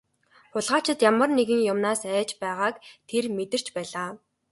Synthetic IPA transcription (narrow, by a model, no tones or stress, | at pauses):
χʊɮʁaːt͡ɕʰɪ̆t̪jamə̆rneɣɘ̆ŋjʊmnaːsæːt͡ɕpæːʁaːkt̪ʰermet̪ɘ̆r̥t͡ɕpæːɮaː